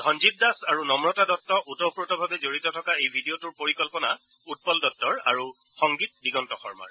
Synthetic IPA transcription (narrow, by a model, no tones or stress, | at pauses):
dʱɔnzit̚dasaɹunɔmɹɔtadɔtːɔʔutɔpɹɔtɔbʱabɛzoɹitɔtʰɔkaejbʱidijotuɹpoɹikɔlpɔna̰ | ut̚pɔldɔtːɔɹa̰ɹu | xɔŋɡit̚biɡɔntɔxɔ̰ɹma̰ɹ